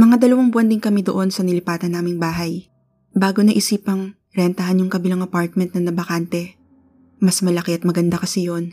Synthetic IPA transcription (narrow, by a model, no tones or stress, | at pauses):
mɐŋad̪ɐlɐwɐŋbʊwɐnd̪ɪŋkɐmɛd̪oʔo̞nsɐnɪlɪpaːt̪ɐnaːmɪŋbaːɦɐj | baːɡo̞nɐʔɪsiːpɐŋ | ɾɛnt̪ɐhanjʊŋkɐbɪlaŋɐpaɹt̪̚mɛnt̪̚nɐŋnɐbɐkant̪ɛ | mɐsmɐlɐkɛʔɐt̪̚mɐɡɐnd̪akɐsɛjo̞n